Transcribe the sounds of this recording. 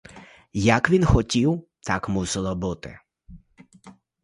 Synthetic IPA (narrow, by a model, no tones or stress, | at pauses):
jakʋʲinxɔtʲiw | t̪akmusɛlˠɔbʊt̪ɪ̰